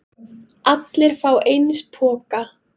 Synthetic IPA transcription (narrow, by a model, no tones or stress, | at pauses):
at̪lɪɾ̥faːwʔejnspʰɔːka